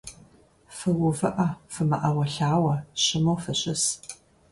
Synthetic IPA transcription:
fɨwʊvɨʔɐfɨmɐʔɐwɐɬaːwɐɕɪmowfɨɕɪs

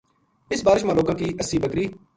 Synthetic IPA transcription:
ɪsbaːɾɪʃ̬maːloːkãːkiːʔəsiːbəkɾiː

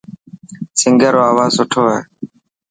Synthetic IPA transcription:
sɪŋɡəːɾoːaːʋaːsʊʈʰoːɦɛ̰ː

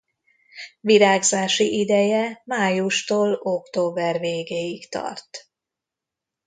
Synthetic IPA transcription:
viɾaːɡzaːʃiʔid̪ɛjɛmaːjuʃt̪oːlo̞kt̪oːbɛrveːɡeːjikt̪ɒ̰rt̪

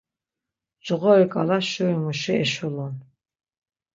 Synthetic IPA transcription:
d͡ʒʁɔikʼalaʃuimuʃiɛʃulɔn

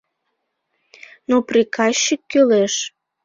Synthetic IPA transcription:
noprikɑɕːikːøleʃ

